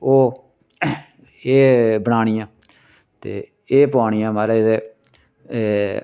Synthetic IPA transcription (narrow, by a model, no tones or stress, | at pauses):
oː | eːbəɽ̃aːɳɪjãː | t̪ḛː | eːpʊaːɳ̃ɪjãːmaːɾed̪eː